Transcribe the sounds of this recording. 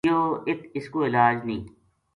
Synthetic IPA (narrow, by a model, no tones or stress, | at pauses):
joːɪkɪskoɪlaːd͡ʒnḭ̃ː